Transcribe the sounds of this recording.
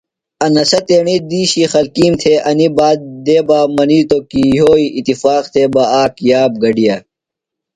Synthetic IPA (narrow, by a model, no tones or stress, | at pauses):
ɐnɐsɐt̪eːɳid̪iːɕixɐlkiːmt̪ʰeʔɐnibaːd̪̚d̪eːbaːmɐniːt̪okijoːiʔit̪ifaːq̚t̪ʰebɐaːkjaːb̚ɡɐɖija